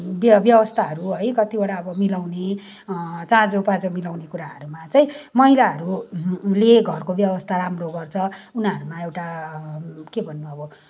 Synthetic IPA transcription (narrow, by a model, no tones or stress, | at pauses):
bʌbjʌbʌst̪ʰaɦʌɾuɦʌjkʌt̪ibaɽaʌbʌmilawne | t͡sãd͡zopad͡zʌmilawnekuɾaɦʌɾumat͡sʌĩmʌɦilaɦʌɾuleɡʱʌrkobjʌbʌst̪ʰaɾamroɡʌrt͡sʰʌunʌɾumaewʈa | kebʱʌnːuʌbʌ